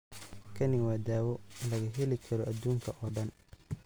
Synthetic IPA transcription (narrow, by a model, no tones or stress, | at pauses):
kʰɐnɪwaːd̪aːwɔnlɐɣɐɦɛlɪkʰɐɾɔʔɐd̪uːŋkʰɐʔɔːɖɐn